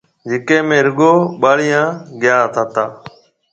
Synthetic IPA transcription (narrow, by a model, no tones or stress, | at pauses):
d͡ʒɪkẽːmẽːɾəɡoːɓaːɭiːjãːɡɪjaːɦt̪ʰaːt̪aː